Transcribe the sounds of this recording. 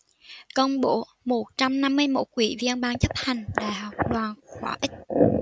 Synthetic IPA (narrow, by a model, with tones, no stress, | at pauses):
kə˧wŋ͡mɓo̰˧˨ | mo˨˩t̚t͡ɕa˧mna˧mːɨ˧əjmo̰˦˥t̚kwi˧˩˦vi˧ənɓaː˧ŋt͡ɕə˦˥p̚h̪a˨˩jŋ̟ɗa̰ː˧˨˩hɔ˨˩wk͡p̚ɗwaː˨˩nxwaː˧˩ʔï˦˥k̟̚